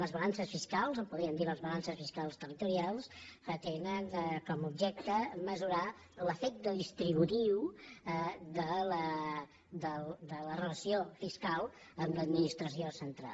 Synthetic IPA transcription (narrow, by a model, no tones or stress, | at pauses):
ləzβəlansəsfiskalˠzəmpuðɾiənd̪iləzβəlansəsfiskalˠst̪ərit̪uɾialˠsət̪enənkɔmub̚ʒɛk̚t̪əməzuɾa | ləfek̚t̪əðist̪ɾiβ̞ut̪iw | d̪ələ | d̪əld̪ələrələsiofiskalˠ | əmləd̪minist̪ɾəs̬iosənt̪ɾa̰